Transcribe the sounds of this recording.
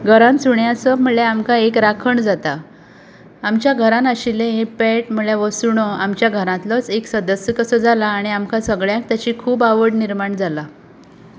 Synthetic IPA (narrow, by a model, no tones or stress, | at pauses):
ɡʱəɾãnsuɳjasəm̤əɭeamkaekɾakʰəɳd͡zat̪a | amt͡ɕjaɡʱəɾãnəɕilẽɦẽpɛʈm̤əɭjaʋəsuɳɔamt͡ɕjaɡʱəɾãt̪lət͡seksəd̪əsjəkəsəd͡zalaːɽ̃iamkasəɡɭjãk̚t̪jat͡ɕiːkʰuːbaʋəɽniɾmaɳd͡zala